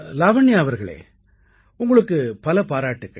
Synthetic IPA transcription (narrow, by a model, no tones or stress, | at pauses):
laːʋɐɳːɪjaːʋɐɾɣɐɭḛː | ʊŋɡɐɭɯkːɯpɐlɐpaːɾaːʈːɯkːɐ̰ɭ